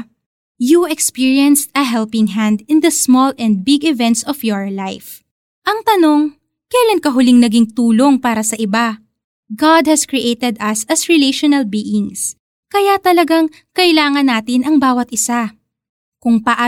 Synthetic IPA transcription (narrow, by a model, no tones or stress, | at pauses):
juɛkspiɹjɐnst̪ɐɦɛlpɪŋɦãnd̪ɪnd̪ɐsmolɛ̃nd̪̚bɪɡɪvɛnt̪sɔfjɔɹlajf | ʔɐŋt̪ɐno̞ŋ | kɐjlankɐɦʊlɪŋnɐɡiŋt̪uːlo̞ŋpaːɾɐsɐʔɪba | ɡad̪̚hɐskɹiʔejt̪ɛd̪ɐsɐsɹɛleʃonɐlbiːʔɪŋs | kɐjat̪ɐlɐɡaŋ | kɐʔɪlaːŋɐnːaːt̪ɪnɐŋbaːwɐt̪ʔɪsa | kʊŋpɐʔaː